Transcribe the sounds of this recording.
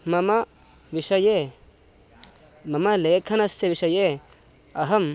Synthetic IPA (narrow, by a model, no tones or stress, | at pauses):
mɐmɐ | ʋiʃɐje | mɐmɐleːkʰɐnɐsjɐʋiʃɐje | ɐɦɐm